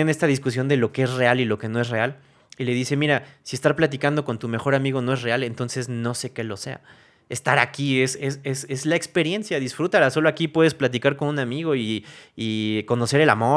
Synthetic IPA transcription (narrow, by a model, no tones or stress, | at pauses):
ene̞st̪aðiskusjo̞nd̪e̞lo̞kee̞s̬re̞alilo̞ke̞no̞e̞s̬re̞al | ile̞ðise̞miɾasie̞st̪aɾplat̪̬ikand̪o̞ko̞nt̪umexo̞ɾamiɣo̞no̞e̞sre̞ale̞nt̪o̞nse̞zno̞se̞ke̞lo̞se̞̰a̰ | est̪aɾakie̞seseze̞zlaekspe̞ɾje̞nsjaðisfɾut̪aɾaso̞loakipwe̞ðe̞splat̪̬ikaɾko̞nũnamiɣo̞iː | ko̞no̞se̞ɾe̞la̰mo̞